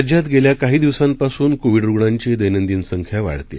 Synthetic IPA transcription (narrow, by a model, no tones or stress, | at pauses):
d͡ʑat̪ɡeljakaɦiːd̪iʋsãmpasuːnkoʋiɖɾuɡɳãɲt͡ɕed̪əjnənd̪iːnsəŋkʰjaʋa̰ɽt̪ḛ